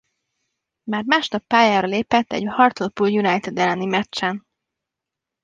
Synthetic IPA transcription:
maːrmaːʃnɒpːaːjaːɾɒleːpɛt̪ːɛ̰ɟhɒrt̪olpuljunajt̪ɛd̪ɛlːɛnimɛt͡ʃt͡ʃːɛn

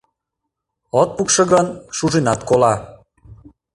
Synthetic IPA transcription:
ot̪̚pukʃɤ̆ɣənʃuʒinɑt̪kolɑ

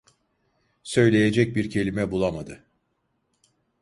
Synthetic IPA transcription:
sø̞jlʲe̞jed͡ʒɛc̚biɾcʰe̞lʲimɛbulˠamad̪ɯ

